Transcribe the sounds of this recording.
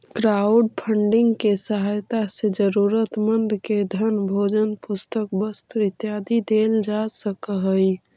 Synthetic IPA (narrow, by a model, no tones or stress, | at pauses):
kɾaʊɖpʰəɳɖɪŋɡkesəɦajt̪ased͡ʒəɾuːɾət̪mənd̪ked̪ʱənbʱod͡ʒənpʊst̪ək̚bəst̪ɪt̪jaːd̪id̪eld͡ʒasəkəɦəi